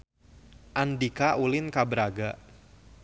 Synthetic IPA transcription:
ʔandikaʔulɪnkabəɾaɡa

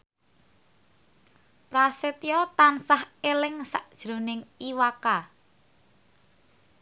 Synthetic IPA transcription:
pɾaset̪ijɔt̪ansahelɪŋsa̰ʔd̥ʒ̥ɾonɪŋiwaka

